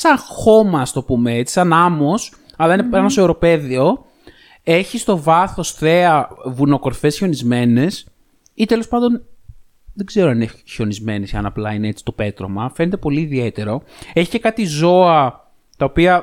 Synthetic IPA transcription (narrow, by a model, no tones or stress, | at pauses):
sɐŋxo̞mɐst̪o̞pumeet͡si̥sɐnɐmo̞s | ɐlɐineɐnoseoɾo̞pe̞ðio̞ | e̞çist̪o̞vɐθo̞sθe̞ɐvuno̞ko̞ɾfe̞sço̞nizme̞ne̞s | it̪e̞lo̞spɐnd̪o̞n | ðeɡze̞ɾoɐnineço̞nizme̞nesiɐnɐplɐinee̞t͡si̥t̪o̞pe̞t̪ɾo̰mɐfe̞net̪̬e̞po̞liːðie̞t̪e̞ɾo̞eçi̥ce̞kɐt̪izo̞ɐ | t̪ɐopiɐ